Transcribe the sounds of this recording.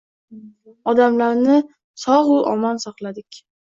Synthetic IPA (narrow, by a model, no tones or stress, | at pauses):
ɒd̪amlaɾnɪ | sɒʁʊʔɒmɒnsɒqlˠad̪ɪkʲ